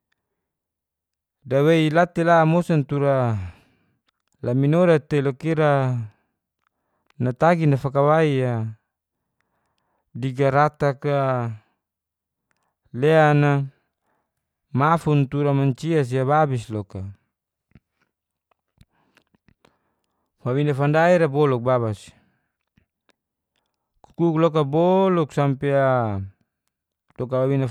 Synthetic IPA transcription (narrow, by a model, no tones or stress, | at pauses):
daweilat̪elaːmosant̪uɾa | laminoɾat̪ːelokiɾa | nat̪aɡinafakawaia | diɡaɾat̪aka | leana | mafunt̪uɾamaɲt͡ʃias̬iaβabislɔka | fawinafandaiɾabɔluk̚baβasi̥ | ku̥kuklɔk̬abɔlɔksampea | lɔk̬abawina